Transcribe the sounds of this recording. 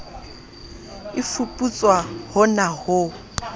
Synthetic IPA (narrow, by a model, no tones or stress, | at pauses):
ɪfupʼut͡sʼwahʊnahʊ